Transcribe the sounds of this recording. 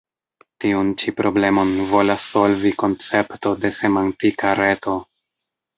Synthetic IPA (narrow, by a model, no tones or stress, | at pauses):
tiunt͡ʃipɾo̞ble̞mo̞nvo̞lasːo̞lviko̞nt͡se̞pto̞de̞se̞mantikaɾe̞to̞